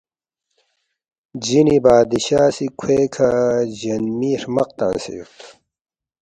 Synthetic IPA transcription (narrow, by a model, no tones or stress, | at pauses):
d͡ʑinibaːd̪iɕaːsikʰweːkʰad͡ʑɐnmiːɾmɐq̚t̪ã̰ːnsḛjṵt̪ʰ